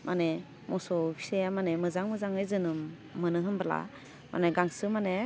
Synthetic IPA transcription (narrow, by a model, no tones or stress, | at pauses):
mʔa̰ne | mʔɔsɔbʰi̥sejamanemɯzaŋmɯzaŋɯjzɯnɯmː | ɯnɯɦɯnbala̰ | mʔa̰neɡaŋsɯmane